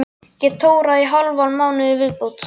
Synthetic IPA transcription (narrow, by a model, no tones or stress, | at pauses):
cɛt̪ʰːoːwɾaiɦalvalmaːwnʏɪvɪðpowt̪